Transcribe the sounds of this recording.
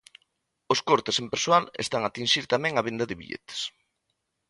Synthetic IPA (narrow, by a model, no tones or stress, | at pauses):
oskoɾt̪esempeɾsowalḛst̪aŋat̪inʲʃiɾt̪amɛ̃ŋaβend̪ɐðɪβḭʎḛt̪e̥s